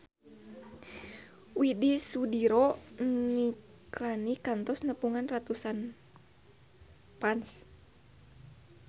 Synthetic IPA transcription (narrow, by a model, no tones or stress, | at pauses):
widisudiɾoniklanikant̪ɔsnəpuŋanrat̪usan | pans